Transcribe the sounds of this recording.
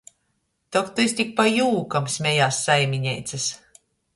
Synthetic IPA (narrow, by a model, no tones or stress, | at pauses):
t̪ɔkt̪uis̬ʲt̪ʲik̚pajuːkamsmʲɛjaːsːajmʲiɲɛjt̪sas